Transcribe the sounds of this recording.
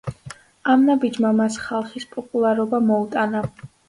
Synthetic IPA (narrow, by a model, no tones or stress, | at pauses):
amnabid͡ʒmamasχalˠχispʼɔpʼulˠaɾɔbamɔut̪ʼana